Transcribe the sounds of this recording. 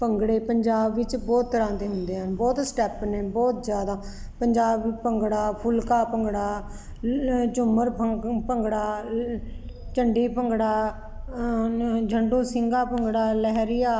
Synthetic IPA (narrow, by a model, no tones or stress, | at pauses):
pəŋɡɽeːpəɲd͡ʒaːbːɪt͡ʃbɔːt̪ːəɾãːd̪eːɦʊnd̪eːɦənbɔːt̪sʈɛːpneːbɔːt̪zjaːd̪aː | pəɲd͡ʒaːbpəŋɡɽaːpʰʊlkaːpəŋɡɽaː | t͡ʃʊməɾpʰəpəŋɡɽaː | t͡ʃəɳɖiːpəŋɡɽaː | d͡ʒʱəɳɖõːsɪŋɡaːpəŋɡɽaːlɛɦɾɪjaː